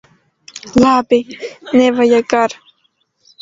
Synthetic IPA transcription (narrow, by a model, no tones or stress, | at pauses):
lapɪnewajakaɾ